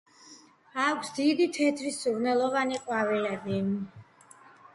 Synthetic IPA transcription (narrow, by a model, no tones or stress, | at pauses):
akʷʰsd̪id̪it̪ʰɛt̪ʰɾisuɾnɛlˠɔvaniqʼwavɛad̪in